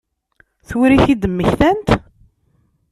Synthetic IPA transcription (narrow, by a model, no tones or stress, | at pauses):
θuɾiθid̪əmːəçθænt̪